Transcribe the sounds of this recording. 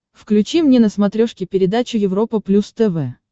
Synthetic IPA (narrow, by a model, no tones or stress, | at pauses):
fklʲʉt͡ɕimnʲenəsmɐt̪ɾʲoʂkʲɪpʲɪɾʲɪd̪at͡ɕʊjɪvɾo̞pəplʲust̪ɛvɛ